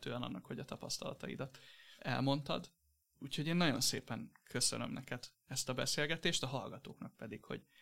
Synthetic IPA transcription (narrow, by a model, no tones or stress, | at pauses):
t̪øːɛnɒ̰nːɒkho̞ɟɒt̪ɒpɒst̪ɒlɒt̪ɒḭd̪ɒt̪ːɛlmo̞nt̪ɒ̰d̪ | uːchoɟeːnːɒɟo̞nsḛːpɛŋkʰøsø̰nømnʔɛkɛd̪ | ɛst̪ɒbɛseːlɡɛt̪eːʃt̪ɒɦɒlɡɒt̪oːknɒk̚pɛd̪ikho̞̰ɟ̥